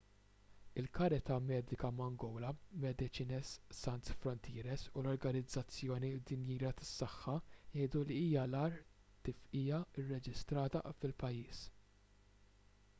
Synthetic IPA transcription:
ɪlkɐɾɪt̪ɐmɛːd̪ɪkɐmɐŋɡɔwlɐmɛd̪ɪt͡ʃiːnɛsːɐnt̪sfɾɔnt̪ʰiːɾɛsulɔɾɡɐnɪd͡zːɐt͡sːjɔːnid̪ɪnjiːɾɐt̪ɐ̥sːɐħːɐjɛjd̪uliiːjɐlɐːɾ | kiːfiːjɐɪrːɛd͡ʒɪst̪ɾɐːt̪ɐ̰fɪlpɐjːiːs

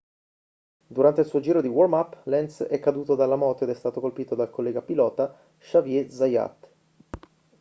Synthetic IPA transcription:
d̪uɾant̪eilsuːod͡ʒiːɾod̪iwormapːlɛnsɛkːad̪uːt̪od̪alːamɔːt̪oed̪ɛst̪aːt̪okolpiːt̪od̪alkolːɛːɡapilɔːt̪a | ʃavjɛzaja̰t̪

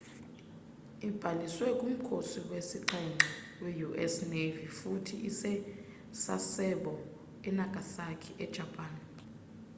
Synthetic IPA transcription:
ib̥ʱaliswɛkʼum̩kʰosiwesiǃɛŋ͡ǃʱɛ | wejuʔɛsnevifutʰḭʔisɛ | sasɛɓɔ | ɛnakʼasakʰɛʔɛd̥ʒ̥ʱapʼaːn

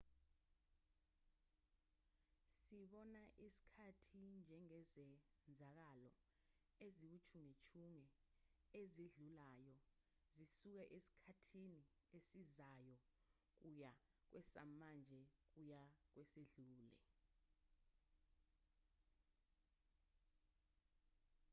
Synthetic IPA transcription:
siɓɔnaʔisi̥kʰatʰind͡ʒʱɛŋɛzɛnd͡zʱak̬alɔ̰ | ezik̬ut͡ʃʰuŋet͡ʃʰuŋɛeziɮulajɔ | zisuk̬ɛʔesi̥kʰatʰini | esizajɔ | k̬uja | k̬wɛsa̰mand͡ʒʱɛk̬ujak̬weseɮuːlɛ̰

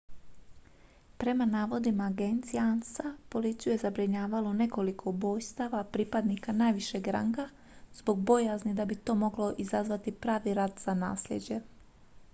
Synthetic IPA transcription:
pɾe̞manaːʋo̞d̪imaːɡent̪sijansapo̞lit̪sijujezabɾiɲaːʋalo̞ne̞ko̞likʰo̞bo̞ːjst̪aʋapɾiːpad̪nikanaːjʋiʃeɡɾa̰ŋɡa | zbo̞ɡbo̞jaznid̪abit̪o̞ːmo̞ɡlo̞ʔizazʋat̪ipɾaːʋiɾaːd̪z̥ana̰ːsʎʲḛd͡ʑe̞

